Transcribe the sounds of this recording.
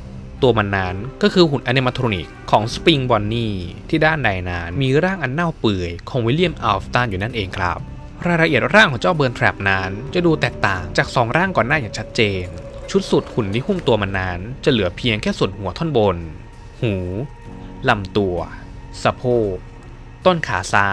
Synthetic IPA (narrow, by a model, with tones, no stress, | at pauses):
t̪u˧ɐma˧nːaː˦˥nkɔː˥˩kʰɯː˧ɦu˨˩nʔa˧neː˧ma˧t̪ʰɾoː˧ni˨˩kʰːɔː˩˦ŋspi˧ŋbɔː˧nːiː˥˩t̪ʰiː˥˩daː˥˩nda˧jnaː˦˥nmiː˧ɾaː˥˩ŋʔa˧nːa˥˩wpɯ˨˩əjkʰɔː˧ŋwi˦˥li˥˩əmʔa˧ft̪aː˥˩˨njuː˨˩na˥˩nʔeː˧ŋkʰɾa̰˦˥p̚ | ɾaː˧jɾa˧ʔi˨˩ət̪̚ɾaː˥˩ŋhu˩˦t͡ɕa˥˩wbɤː˧nt̪ʰɾɛ˨˩p̚naː˦˥nt͡ɕa˨˩duː˧t̪ɛː˨˩k̚t̪aː˨˩ŋt͡ɕaː˨˩k̚sɔː˩˦ŋɾaː˥˩ŋkɔː˨˩nːaː˥˩jaː˨˩t͡ɕʰa˦˥t̪̚t͡ɕeː˧nt͡ɕʰu˦˥t̪̚su˨˩t̪̚hu˨˩nːi˦˥pʰuː˥˩mt̪u˧ɐma˧nːaː˦˥nt͡ɕa˨˩lɯ˩˦ɐpʰi˧əŋkʰɛː˥˩su˨˩ənhu˨˩˦ɐt̪ʰɔ˥˩˨nbo˧n | huː˩˦ | la˧˩mt̪u˧ɐ | sa˧pʰoː˥˩k̚ | t̪o˥˩nkʰaː˩˦saː˦˧˥